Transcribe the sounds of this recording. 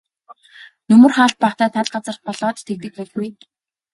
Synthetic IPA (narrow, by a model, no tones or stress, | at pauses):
nɵmɵ̆rχaːɬt̪̚paːχt̪æːt̪ʰaɮɢat͡sə̆rχpɔɮɔːtt̪ʰek̚t̪ɘ̆k̚pæːɡuj